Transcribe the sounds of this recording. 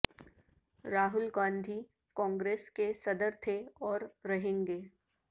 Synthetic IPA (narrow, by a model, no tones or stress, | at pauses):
ɾaːɦʊlɡãːnd̪ʱi | kɔ̃ːŋɡɾeːskesɐd̪əɾt̪ʰeɔːɾːɐɦẽːŋɡeː